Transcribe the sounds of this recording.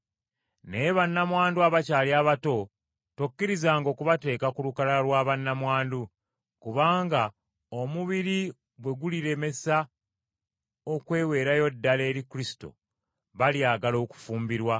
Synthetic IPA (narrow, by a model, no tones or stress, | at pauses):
ne̞βanːamwaːnduaβacaːljaːβato̞ | tokːiɾizaːŋɡo̞ːkuβate̞ːkakulukalalwaːβanːamwaːndu | kuβaːŋɡa | omuβiɾi | bwe̞ɡuliɾe̞me̞sa | okwe̞ːwe̞ːɾajo̞dːale̞ːɾikulisi̥to̞̰ | βaljaːɡalo̞ːku̥fuːmbiɾwa